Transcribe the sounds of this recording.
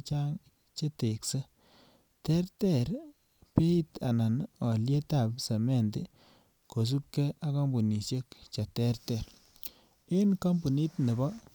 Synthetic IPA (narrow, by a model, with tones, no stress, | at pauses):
t͡ʃa˦ŋ | t͡ʃe˦te˨kse˦ | tɛ˦rtɛ˦˨ɾ | pe˦i˦ta˨na˨nɔ˨lje˦ta˨pse˨me˦˨ndɪ˨ | ko˨s̬u˦p̚kɛ˦ʔa˦kɔ˦mbu˨ni˨ʃje˦k̚t͡ʃa˨tɛ˦rtɛ˨ɾ | ɪ˦nka˦mbu˨ni˦tne˨bɔ˦